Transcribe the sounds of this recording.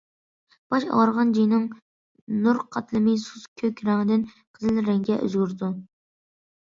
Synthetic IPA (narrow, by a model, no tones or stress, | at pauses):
b̥ɑʃɑɾʁɑnd͡ʒijnɨŋ | nuɾqʰɑt̪ʰlˠɨmɨsuzkʲʰøkʲɾɛŋd̪ɪn | qʰəzɨlɾɛŋɡʲɛʔy̰zɡʲyɾd̪u